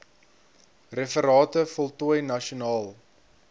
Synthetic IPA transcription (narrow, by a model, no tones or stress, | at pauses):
refəɾɑːtəfɔlˠtuəjnɐʃiunɑːlˠ